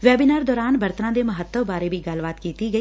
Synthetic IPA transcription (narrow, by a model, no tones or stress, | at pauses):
ʋɛːbiːnaːɾd̪ɔːɾaːnbəɾt̪ənãːd̪eːməɦət̪ːəʋbaːɾeːbʱiːɡəlʋaːt̪kiːt̪iːɡəiː